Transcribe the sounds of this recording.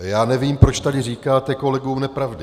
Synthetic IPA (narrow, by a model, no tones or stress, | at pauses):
jaːnɛviːmpɾo̞t͡ʃt̪adɪriːkaːt̪ɛko̞lɛɡuːmnɛpɾavdɪ